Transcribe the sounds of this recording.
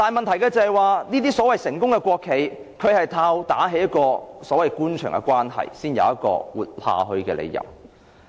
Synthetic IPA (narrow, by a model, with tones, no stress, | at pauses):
t̪aː˨nmɐ˨nt̪ʰɐ˨˩jkɛː˧t͡sɐ˨˧hɐ˨jwaː˨˧niː˥t̪iː˥sɔː˨˥wɐ˨jsɪ˨˩ŋkʊ˥ŋkɛː˧kʷwʷɔː˧kʰːe˨˧j | kʰɵ˨˧ɥhɐ˨jt̪ʰaː˧wt̪aː˨˥ɦe˨˥jɐ˥t̚kɔː˧sɔː˨˥wɐ˨jkuː˥nt͡ʃʰœ̰ː˨˩ŋkɛ̰˧kwʷaː˥nɦɐ̰˨jsiː˥njɐ̰˨˧wjɐ˦t̚kɔ̰ː˧wuː˨t̚ha̰ː˧ɦɵ˧ɥkɛː˧lḛ˨˧jɐ̰˨˩w